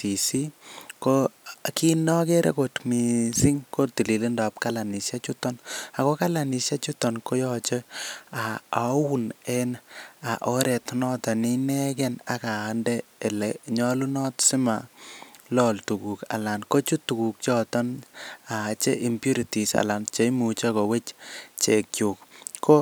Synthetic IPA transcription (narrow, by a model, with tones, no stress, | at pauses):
ti˨si˦ko˦ki˦nɔ˦ke˦ɾḛ˦ko˨tmi˨si˦ŋko˦ti˨li˨li˦nda˨p̚ka˦la˨ni˨sa˦t͡ʃu˦tɔ˦na˨ko˦ka˦la˨ni˨ʃja˦t͡ʃu˦tɔ˨nko˦jɔ˦t͡ʃe˦a˨a˨wu˦ne˦na˨ʔo˦ɾe˨tnɔ˦tɔ˨ni˦nɛ˦kɛ˨na˨ka˨ndɛː˦˨lɛ˨ɲɔ˦lu˦nɔ˦tsi˦ma˨lɔ˦ltu˨ku˨ka̰˨la˨nko˦t͡ʃu˦tu˨ku˨k̚t͡ʃɔ˦tɔ˦na˨t͡ʃe˦ʔi˨mpju˦ɾi˨ti˨sa̰˨la˨nt͡ʃe˦mu˨t͡ʃa˦ko˨we˦t͡ʃt͡ʃe˨kju˨kko˦